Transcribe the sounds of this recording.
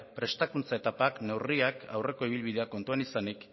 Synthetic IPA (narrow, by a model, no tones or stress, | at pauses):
pɾe̞st̪akunt͡sae̞t̪apakne̞wriakʰawre̞ko̞iβ̞ilβið̞e̞ako̞nt̪uenisanik